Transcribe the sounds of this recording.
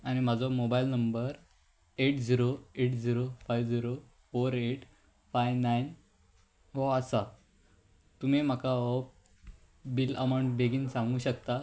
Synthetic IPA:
añim̤ad͡zʱɔmobailnəmbəɾ | eʈd͡ziɾoeʈd͡ziɾofajʋd͡ziɾo | foɾeʈ | fajʋnain | ɦɔəsa | t̪um̤im̤akaɔ | bilə̰maw̃ɳʈbeɡiːnsãŋɡuːɕəkt̪a

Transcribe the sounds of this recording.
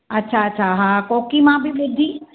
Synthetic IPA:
ɐtːʃʰaɐtːʃʰaɦãkoːkimãbʱibɪd̪ʱːi

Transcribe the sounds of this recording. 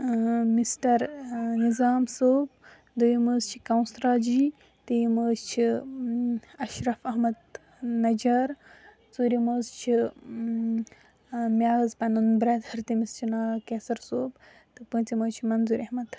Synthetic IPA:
misʈɐɾnizaːmsoːb̚ | d̪ujiməːzt͡ʃʰi̥kɐwnsɾaːd͡ʒiː | t̪ijməːzt͡ʃʰi | ɐʃɾɐfɐɦmɐd̪ | nɐd͡ʒɐɾ | t͡suːɾiməːzt͡ʃʰi | mʲaːzpɐnunbɾɐt̪hɐɾt̪imist͡ʃʰinaːkeːsɐɾsoːb | t̪ɨpə̃ːnt͡siməːzt͡ʃʰimɐnzuːɾʲɐhmɐt̪

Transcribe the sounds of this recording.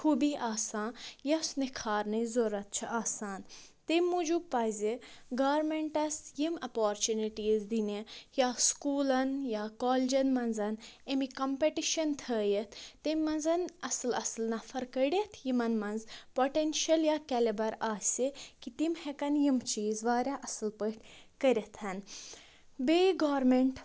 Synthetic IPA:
kʰubiʔaːsaːnjɐsnikʰaːɾnɐzoɾɐt̪̚t͡ʃʰɐʔaːsaːnt̪emʲːud͡ʒubpajzʲeɡaːɾmeɳʈɐsjimɐpoːɾt͡ʃuniʈiːzd̪inejaskuːlɐnjaːkoːld͡ʒɐnmɐnzɐnemikɐmpeʈiʃɐnt̪ʰəːjet̪ʰt̪emːɐnzɐnɐsɨlɐslnɐfɐɾkəɽʲet̪ʰjimɐnmɐnzpoʈenʃɐljakɛlebɐɾasʲekit̪imhekɐnjimt͡ʃiːzʋaːɾjaʔɐsɨlpəʈʲkɐɾʲet̪ʰɐn | beɡaːɾmeɳʈ

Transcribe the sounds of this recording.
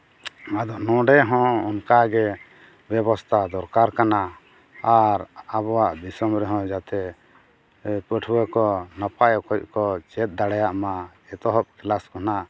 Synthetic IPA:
ad̪ɔʔnɔ̃ɖɛɦɔ̃ɔnkaɡɛ | bjɛbɔst̪ʰad̪ɔɾkaɾkana | aɾabɔwaʔd̪isɔmɾɛɦɔ̃d͡ʒat̪ɛ | pəʈʰwəkɔnapajɔkɔkɔt͡ʃɛt̪̚d̪aɽɛjaʔma | ɛt̪ɔɦɔp̚klaskɔna

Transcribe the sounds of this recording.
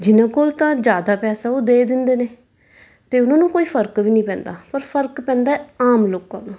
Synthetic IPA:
d͡ʒɪnãːkoːlt̪ãːd͡ʒjaːd̪aːpɛːsaːoːd̪eːd̪ɪnd̪eːneː | t̪eːʊnãːnũːkoːiːpʰəɾkbiːnĩːpɛ̃ːnd̪a̰ːpəɾpʰəɾkpɛ̃ːnd̪aːɛːaːmloːkãːnũː

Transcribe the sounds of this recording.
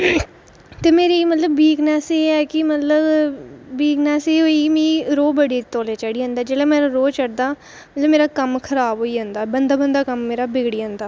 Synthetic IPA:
t̪eːmeːɾiːmət̪ləbːiːknɛːseːɛːkɪmət̪ləbbiːknɛːseːɦoːiːmĩːɾoːbəɽiːt̪oːleːt͡ʃaːɽiːɦãːnd̪aːd͡ʒeːɽeːmeːɾaɾoːt͡ʃəɽd̪aː | mət̪ləbmeːɾaːkəmkʰəɾaːbɦoːiːãːnd̪aːbənd̪aːbənd̪aːkəmːeːɾaːbɪɡɽiːãːnd̪aː

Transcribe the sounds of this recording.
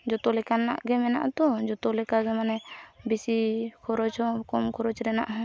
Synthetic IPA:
d͡ʒɔt̪ɔlɛkanna̰ʔɡɛmɛna̰ʔt̪ɔd͡ʒɔt̪ɔlɛkaɡɛmanɛbisikʰɔɾɔt͡ʃhɔkɔmkʰɔɾɔt͡ʃɾɛna̰ʔɦ

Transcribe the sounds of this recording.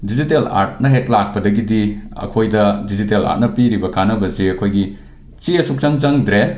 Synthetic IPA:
dizitela̰ɾt̚nɐɦek̚lak̚pɐdɐɡidiɐ̰kʰojdɐdizitela̰ɾt̚nɐpiɾibɐkanɐbɐzeɐkʰojɡi | t͡ʃiɐsuk̚t͡ʃaŋt͡ʃaŋdɾe

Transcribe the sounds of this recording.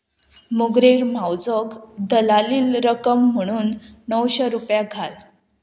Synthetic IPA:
muɡɾeɾmawd͡zəɡd̪əlaliːlɾəkəmːəɽ̃uːnːəwɕəɾupjaɡʱal

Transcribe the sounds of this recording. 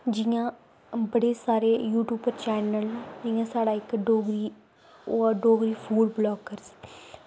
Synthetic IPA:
d͡ʒɪːãː | bəɽeːsaːɾeːjuːʈjuːbəɾt͡ʃɛːnəld͡ʒɪ̃ːãːsaːɽaːɪkɖoːɡɾiː | oːaɖoːɡɾiːpʰuːɖblɔːɡəɾs

